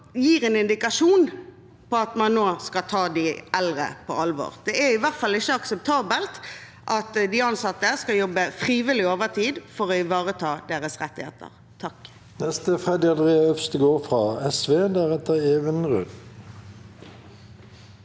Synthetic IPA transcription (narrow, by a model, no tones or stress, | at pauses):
jiːʁɛnɪnd̪ɪkɑʂuːn | pɔɑt̪mɑnːoːskɑt̪ʰɑːd̪ɪɛlʁə̰pʰɔɑlʋo̰ːʁd̪ɛæɪʋæʁt̪fɑlɪçəɑksəp̚t̪ʰɑːbəlt̪ | ʔɑt̪d̪ɪɑnsɑt̪ːəskɑjɔbːəfʁiːʋɪlɪoːʋəʁt̪ʰiːd̪fɔʁɔɪʋɑːʁət̪ʰɑːd̪eːʁəsʁɛt̪ːɪhḛːt̪ə̰ʁ | t̪ʰɑk | nɛst̪əfʁɛd̪ɪɑnd̪ʁeːɑœfst̪əɡoːʁfʁɑɛsʋeːd̪æʁɛt̪əʁeːʋənʁʉ̰d̪